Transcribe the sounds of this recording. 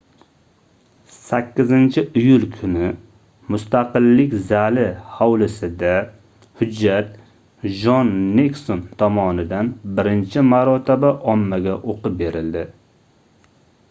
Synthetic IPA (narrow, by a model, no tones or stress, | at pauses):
sakʲːɪzɪnt͡ʃʰɪʔɪjʊlkʰʊnɪ | mʊst̪ʰaqɨlːɪkʲzalɪhawlɪsɪd̪a | hʊd͡ʒːat̪ | d͡ʒɒnːeksont̪ʰɒmɒnɪd̪anbɪɾɪnt͡ʃʰɪmaɾɒt̪ʰɪbaʔɒmːaɡʲaʔoqɨp̚be̞ɾɪld̪ɪ